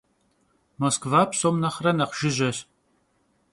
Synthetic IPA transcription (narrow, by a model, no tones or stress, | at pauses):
moːskvaːpʰsomnɐχrɐnɐqʒ̥ɪʑʷɐɕ